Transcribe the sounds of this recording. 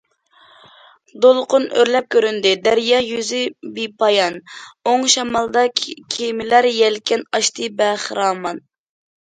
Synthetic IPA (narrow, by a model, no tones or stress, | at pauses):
d̪olˠqʊnøɾlɛp̚kʲøɾynd̪ɪd̪æɾjɑjyzɪbipʰɑjɑnoŋʃɑmɑlˠd̪ɑkʲʰemɪlæɾjɛlkʲɛnɑʃt̪ʰɨbɛχɾɑːmɑn